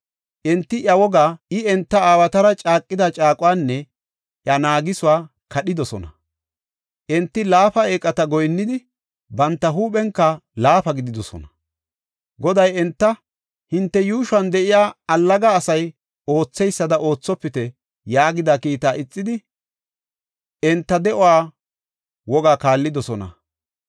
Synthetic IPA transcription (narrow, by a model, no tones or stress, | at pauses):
ʔɪnt̪ːɪʔɐwɔɡaːɪɛnt̪ːɐaːwɐt̪ɐɾɐt͡ʃʼaːkʼːɪd̪ɐt͡ʃʼaːkʼʊwaːnːɛ | ʔjɐnaːɡɪsʊwaː | kʰɐɗɪd̪ɔsɔ̰nɐ | ʔɪnt̪ːɪlaːfɐeːkʼɐt̪ɐɡɔjnːɪd̪ɪ | bɐnt̪ːɐɦuːpɛŋkːɐlaːfɐɡɪd̪ɪd̪ɔsɔ̰nɐ | ɡɔd̪ɐjɛnt̪ːɐ | hɪnt̪ːɛjuːʃɐnd̪ɛʔɪjaːɐlːɐɡaːsɐj | o̞ːt͡sːɛjsːɐd̪ɐʔo̞ːt͡sːɔpːɪt̪ɛ | jaːɡɪd̪akiːt̪aːʔɪt͡sʼːɪd̪ɪ | ɛnt̪ːɐd̪ɛʔɔwaː | wɔɡaːkaːlːɪd̪ɔsɔnɐ̰